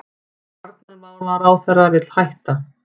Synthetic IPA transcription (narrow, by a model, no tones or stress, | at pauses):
aɾt̪̚nɪɾvaðvaɾaːwθɛrːavɪt̪l̥hajht̪a